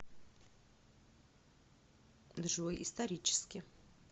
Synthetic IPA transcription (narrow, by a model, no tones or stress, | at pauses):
d̪ʐɨvojʔist̪ɐɾʲit͡ʃʰɪ̥skʲɪ